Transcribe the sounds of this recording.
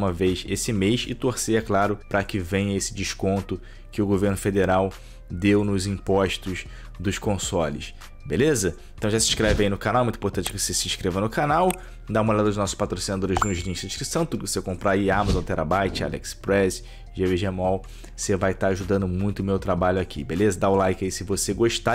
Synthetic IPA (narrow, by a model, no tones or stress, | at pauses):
umɐvejʃesɪmejʃɪt̪oɾsejɐklaɾʊpɾɐkɪvẽɲɐesɪd͡ʒɪʃkõnt̪ʊ | kɪʊɡoveɾnʊfed̪eɾaw | d̪ewnʊzĩpɔʃt̪ʊʃ | d̪ʊʃkõsɔlɪ̰ʃ | belezɐẽt̪ɐ̃w̃ʒasĩʃkɾevɪainʊkanawɛũt̪ĩpoɾt̪ɐ̃t͡ʃɪkɪvosesĩʃkɾevɐnʊkanaw | d̪aũmoʎad̪ɐʊʒnɔsʊ̥ʃpat̪ɾosinad̪oɾɪʒnʊʒlĩʃsɐ̃ɪʃkɾisɐ̃w̃t̪udosekõmpɾaiamazõt̪ɛɾa̰bajt͡ʃɪa̰lɛ̰kspɾɛs | ʒeveʒemɔw | sevajt̪aaʒud̪ɐ̃nd̪ʊmũj̃t̪ʊʊmewt̪ɾabaʎʊakʰḭbelezɐd̪aʊlajkɪaisɪvoseɡoʃt̪a